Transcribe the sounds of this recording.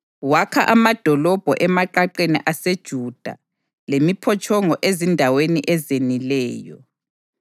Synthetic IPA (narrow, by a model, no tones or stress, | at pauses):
wakʰa̰ʔamad̥ʱɔlɔb̥ʱɔʔɛmaǃaǃenḭʔased̥ʒ̥ʱud̥ʱa̰ | lemipʰɔt͡ʃʰʼɔŋɔʔezindʱaweniʔɛzenilɛːjɔ